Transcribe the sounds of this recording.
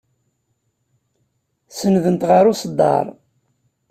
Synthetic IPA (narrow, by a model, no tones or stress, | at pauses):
sənðənt̪ʁəɾʊsəd̪ˤːɑ̰ɾˤ